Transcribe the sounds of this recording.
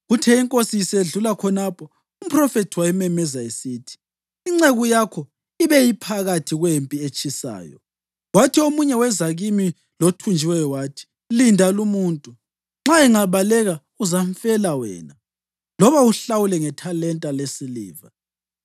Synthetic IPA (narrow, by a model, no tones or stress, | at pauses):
ɣutʰɛiŋkʼosiseɮulakʰɔnapʰɔ | um̩pʰʼrɔfɛtʰiwajimɛmɛzaesiːtʰi̥ | iŋ͡ǁeɣujakʰɔ | iβɛjipʰaɣatʰiɣwempʼiet͡ʃʼisa̰ːjɔ̰ | watʰiomuɲɛwɛzaɣimi | lotʰund͡ʒʱiwɛjɔwatʰi̥ | lindʱalumuːntʼu | ŋ͡ǁaɛŋaβalɛɣa | uzaɱfɛlawɛ̰ːna | lɔβauɬawulɛŋɛtʰalɛntʼalesilḭːva̰